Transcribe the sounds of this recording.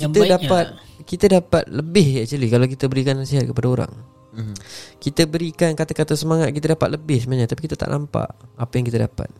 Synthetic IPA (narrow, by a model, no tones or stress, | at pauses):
kit̪ədaat̪̚kit̪adapat̪̚ləbɪhjaʔt͡ʃəlikalawk̬it̪əbəɾikanːasiɦat̪̚kəpadaoɾa̰ŋ | kit̪əbəɾikankat̪akat̪asəmaŋat̪̚kit̪adapat̪̚ləbɪhsəmənaɲat̪apikit̪at̪a̰ʔnʔampa̰ʔapajãŋkit̪ada̰pa̰t̪̚